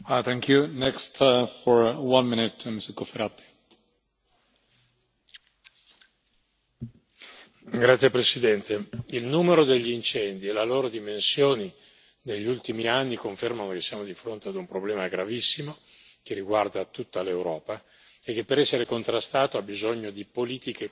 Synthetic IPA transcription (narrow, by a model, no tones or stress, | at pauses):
t̪ɛ̃ŋkjunɛkstfɔɹwãnminut̪misikofeɾat̪ːi̥ | ɡɾat̪sːjepɾesid̪ɛnt̪eilnumeɾod̪eʎːiint͡ʃɛnd̪ielaloːɾod̪imensjoːni | d̪eʎːiult̪imianːikoɱfermanokesːjaːmod̪ifɾont̪ead̪umpɾoblɛːmaɡɾavisːimok̟erːiɡward̪at̪ut̪ːalewɾɔːpa | ek̟ːepːeɾɛsːeɾekont̪ɾast̪aːt̪oabizoɲːod̪ipoliːt̪ike